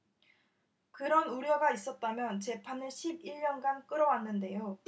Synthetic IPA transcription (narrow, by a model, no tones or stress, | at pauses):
kɯɾʌnuɾjʌɡais͈ʌt̚t͈amjʌnt͡ɕe̞pʰanɯɭɕʰibiɭːʌnɡank͈ɯɾʌwanːɯnde̞jo